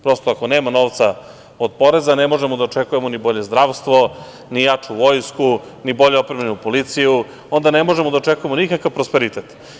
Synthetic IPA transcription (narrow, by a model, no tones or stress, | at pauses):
pɾo̞st̪oako̞neːmano̞ʋt̪sa | od̪̚po̞ɾe̞zane̞mo̞ʒemod̪aot͡ʂekuje̞monibo̞ʎe̞zd̪ɾaʋst̪ʋo̞ | nijat͡ʂuʋo̞jsku | nibo̞ʎeopɾemenupo̞lit̪siju | o̞nd̪ane̞mo̞ʒemod̪aot͡ʃekuje̞mo̞nikakaʋpɾospeɾit̪et̪